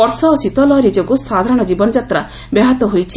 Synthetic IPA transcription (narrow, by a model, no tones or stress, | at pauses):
ɔɾsɔːsit̪ɔlɔɾid͡ʒoɡusad̪ʱaɾɔɽ̃ɔd͡ʒibɔnɔd͡ʒat̪ɾa | beɦat̪ɔɦojt͡ʃʰi